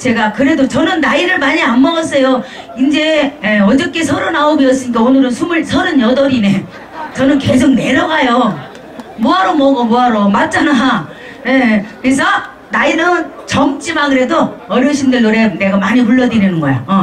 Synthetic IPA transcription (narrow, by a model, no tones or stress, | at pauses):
t͡ɕe̞ɡakɯɾe̞dot͡ɕʌnɯnːaiɾɯɭmaɲianmʌʌs͈ʰejo | ind͡ʑe̞jeʌd͡ʑʌk͈esʰʌɾonaobiʌs͈ɯɲik̬͈aonɯɾɯnsʰumɯɭsʰʌɾɯnjʌdʌɾine̞ | t͡ɕʌnɯnke̞sʰok̚ne̞ɾʌɡajo | muaɾomʌɡomoaɾomat̚t͡ɕ͈ana | jekɯɾes̬ʰʌ | nainɯn | t͡ɕʌmt͡ɕ͈imaɡɯɾe̞doʌɾjʌɕ̬ʰimndeɭːoɾene̞ɡamaɲipuɭːʌdiɾinɯnɡʌjo̰ʌ